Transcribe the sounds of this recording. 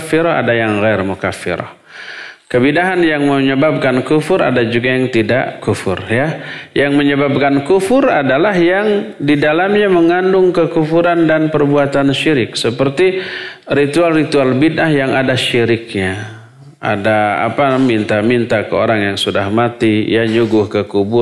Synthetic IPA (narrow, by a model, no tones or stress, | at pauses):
fɪɾɔa̰dajaŋɣarmukafɪ̰ɾɔ̰h | kəbidaɦanjaŋməɲəbab̚kankufʊɾa̰dad͡ʒuɡajaŋt̪ida̰ʔkufʊ̰rjajaŋməɲəbab̚kankufʊradalaɦjaŋdidalamɲaməŋandʊŋkəkufuɾandanpərbuat̪anʃiɾɪk̚səpərt̪iɾit̪ualrit̪ualbinaɦjaŋadaʃiɾɪk̚ɲa | a̰daa̰pamint̪amint̪akəo̰ɾaŋjaŋsudahmat̪ijaɲuɡʊhkəkubʊ